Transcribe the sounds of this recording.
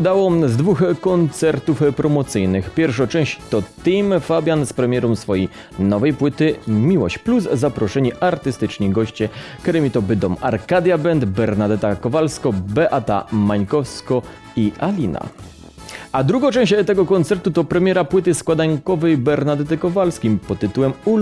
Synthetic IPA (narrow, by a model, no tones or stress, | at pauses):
ud̪awɔzd̪vuxkɔnt̪sɛɾt̪ufpɾɔmɔt̪sɘjnɘxpʲjɛɾfʂɔt͡ʂɛ̃w̃ɕt͡ɕt̪ɔt̪ijmfabʲjanspɾɛmʲjɛɾɔmsfɔjej | nɔvɛjpwɘt̪ɘmʲiwɔ̰ɕt͡ɕpluzːapɾɔʂɛɲiʔaɾt̪ɘst̪ɘt͡ʂɲiɡɔɕt͡ɕɛkt̪ɛɾɛmʲit̪ɔbɘd̪ɔmaɾkad̪jabɛnd̪bɛɾnad̪ɛt̪akɔvalskɔbɛʔat̪a̰maɲkɔfskɔ | iʔalʲina̰ | ad̪ɾuɡɔ̃t͡ʂɛ̃w̃ɕt͡ɕt̪ɛɡɔkɔnt̪sɛɾt̪ut̪ɔpɾɛmʲjɛɾapwɘt̪ɘskwad̪ajkɔvɛjbɛɾnad̪ɛt̪ɘkɔvalskʲimpɔt̪ːɘt̪uwɛmu